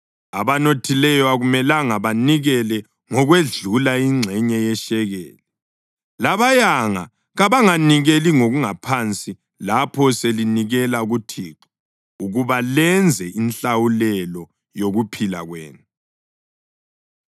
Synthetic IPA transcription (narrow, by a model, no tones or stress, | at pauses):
aβanotʰilɛjɔaɣumɛlaŋaβaniɣɛlɛ | ŋɔɣweɮulaiŋ͡ǀʱɛɲɛjɛʃɛɣɛ̰ːlɛ | laβajaŋa̰ | ɣaβaŋaniɣeliŋoɣuŋapʰant͡sʼi | lapʰɔseliniɣɛlaɣutʰiːǁɔ | uɣuβalɛnd͡zʱɛʔinɬawulɛlɔ | joɣupʰila̰ɣwḛːnu